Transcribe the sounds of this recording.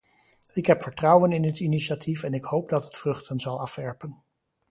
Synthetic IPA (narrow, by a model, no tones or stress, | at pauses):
ɪkɦɛpfəɹtrʌwənɪnətiniʃatʰifɛnɪkhowp̚dɑtətfrɵχtənzɑlˠɑfʋɛɹpən